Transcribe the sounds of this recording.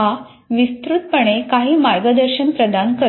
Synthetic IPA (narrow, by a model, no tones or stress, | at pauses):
ɦa | ʋist̪ɾut̪̚pəɽ̃ekaɦiːmaɾɡəd̪əɾɕənpɾəd̪ankə